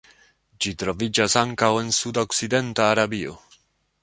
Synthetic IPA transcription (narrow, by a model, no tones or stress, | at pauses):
d͡ʒit̪ɾovid͡ʒasaŋkawensud̪aksid̪ent̪aːɾabio̰